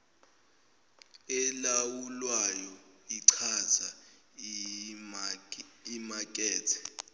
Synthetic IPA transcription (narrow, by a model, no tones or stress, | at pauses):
ɛlawulwajɔiǀʰaza | imakʼɛːtʰɛ̥